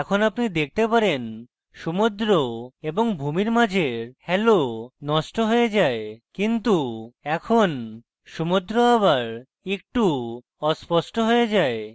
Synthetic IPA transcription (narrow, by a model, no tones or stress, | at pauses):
ɛkʰonapnid̪ek̚ʰt̪epaɾen | ʃumud̪ɾoeboŋbʱumiɾmad͡ʑʱeɾhɛlonɔʃʈoɦojed͡ʑaekint̪uɛkʰon | ʃumud̪ɾoaβaɾ | ek̚ʈu | ɔspɔʃʈoɦojed͡ʑae